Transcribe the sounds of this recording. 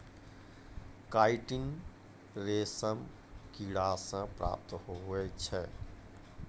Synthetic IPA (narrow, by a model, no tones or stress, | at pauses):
kaːiʈɪŋ | ɾesəm | kiɽasə̃pɾa̰ːp̚t̪ɦoɦoɛt͡ʃʰɛː